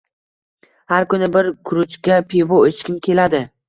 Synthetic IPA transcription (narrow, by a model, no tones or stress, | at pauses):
haɾkʊnɪbɪɾkʰʊɾʊt͡ʃkʲapʰevoɪt͡ʃkʲɪnkʲʰe̞lad̪ɪ